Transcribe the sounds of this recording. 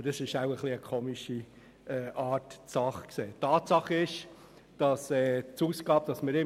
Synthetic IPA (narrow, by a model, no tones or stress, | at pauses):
əɾdɑsɪʃaʊəχliəkʰoːmiʃi | ɛːʔɑːɾtsɑχkseːtʰːɑːtsɑχəɪʃ | d̥ɑsɛːt͡suːsɡ̥ɑːbd̥ɑsmɪɾɪ